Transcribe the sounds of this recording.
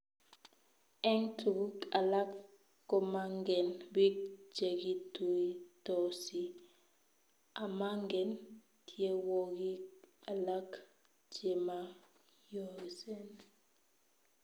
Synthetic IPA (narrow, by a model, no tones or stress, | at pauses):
ɛŋtuɡukʼalakː | ɔmaŋɡɛnbid͡ʒeɡituitosi | ʔamaŋɡɛn | tiewoɡikalak | d͡ʒema | josɛn